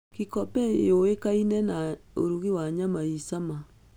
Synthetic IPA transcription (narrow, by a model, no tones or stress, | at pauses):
kikɔpɛjoekainɛnao̰ɾuɣiwaɲamaisama